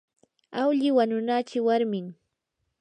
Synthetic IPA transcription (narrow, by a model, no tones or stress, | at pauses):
awʎɪwaɲʊnat͡ʃɪwaɾmɪŋ